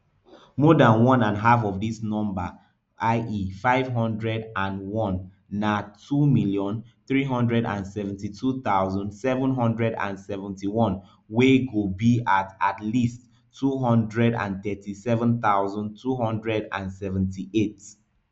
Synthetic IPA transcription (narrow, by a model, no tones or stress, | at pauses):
mɔdãnwɔ̃nãnɦafɔvdisnɔ̃mba | ʔaɪʔifaɪvɦɔ̃ndɹɛdãnwɔ̃nː | atʰumiljɔ̃nθɹiɦɔ̃ndɹɛdã̰nsɛvɛ̃ntitʰut̪aʊzɔ̃ndsɛvə̃nɦɔ̃ndɹɛdã̰nsɛvə̃ntiwɔ̃n | weɡobiatatlistʰː | uɦɔ̃ndɹɛdã̰nθɛtisɛvə̃nθaʊzɔ̃ntʰuhɔ̃ndɹɛdã̰nsɛṽntiʔet